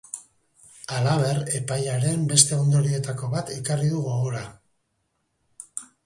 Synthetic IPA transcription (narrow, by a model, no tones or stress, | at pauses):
alaβ̞e̞re̞pajaɾe̞mbe̞st̪e̞o̞nd̪o̞ɾie̞t̪ako̞βat̪ikariðuɣoɣoɾa